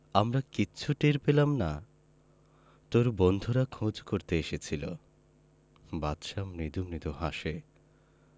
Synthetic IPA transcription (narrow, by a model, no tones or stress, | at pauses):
amɾakiːɕʰuʈeɾpelamna | t̪oɾbond̪ʱuɾakʰõd͡ʑkoɾt̪eeʃet͡ɕʰilo̰ | bat̪ʃamnid̪umnid̪uɦaʃe